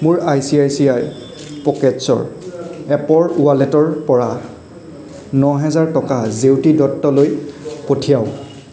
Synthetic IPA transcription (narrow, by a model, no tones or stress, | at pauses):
mʊɹajsiajsiaj | pɔkɛtsɔ̰ɹɛpɔɹualɛtɔɹpɔɹa | nɔɦɛzaɹtɔkazewtidɔtːɔlojpotʰijaʊ